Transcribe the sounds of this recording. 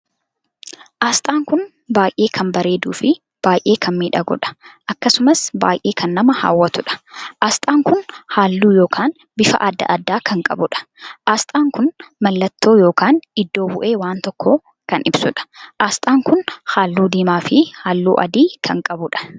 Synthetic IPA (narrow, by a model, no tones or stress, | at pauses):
ʔaːst̪ʼaːŋkʊn | baːjʔe̞ːkʰɐmbɐɾe̞ːd̪ṵːfɪ | b̥aːjʔe̞ːkʰɐnmiːᶑɐɡɔ̰ᶑɐ̥ʔɐkːɐsʊmɐsba̰ːjʔe̞ːkɐnːɐmɐha̰ːwːɐt̪ʊᶑɐ̥ʔaːst̪ʼaːŋkʊnhaːlːuːjo̞ːkʰaːn | bɪfɐ̰ʔad̪ːɐ̰ʔɐd̪ːaːkɐŋkʼɐbʊᶑɐ̥ʔaːst̪ʼaːŋkʊnmɐlːɐt̪ʰːo̞ːjo̞ːkaːnɪd̪ːo̞ːbʊʔeːwaːnt̪ɔkːoː | kɐnɪbsʊᶑɐ̥ʔaːst̪ʼaːŋkʊnhaːlːuːd̪iːmaːfɪhaːlːṵːʔɐ̰d̪iːkʰɐŋkʼɐbʊᶑɐ̥